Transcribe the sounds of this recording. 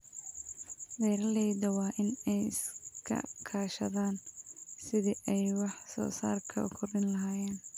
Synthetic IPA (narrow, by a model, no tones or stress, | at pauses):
d̪ɛːɾɐlɛːjdɐwɑːʔɪnɛjɪskʰɐ̰kʰaːʃɐ̰ðaːnsɪðɪʔɛjwɑħsɔ̰ːsa̰ːrkʰɐ̰ʊ̰kʰʊrɪnlɐɦaːjɛːn